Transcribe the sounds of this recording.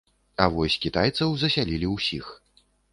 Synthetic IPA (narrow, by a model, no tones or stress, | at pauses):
ɐvɔsʲkʲit̪ajt̪sɐwzɐsʲalʲilʲiwsʲix